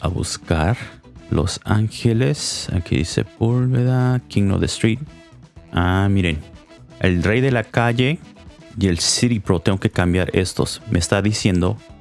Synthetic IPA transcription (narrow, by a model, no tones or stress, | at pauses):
aβṵskaɾ | lo̞̰saŋxele̞sa̰lkḛðḭse̞̰pulβeðakiŋno̰ðḛst̪ɾit̪̚ | amiɾen | elre̞jðe̞lakaʝe̞ | je̞lsiɾipɾo̞t̪e̞ŋɡo̞kekambjaɾe̞st̪o̞̰smʔeːst̪aðisje̞nd̪o̞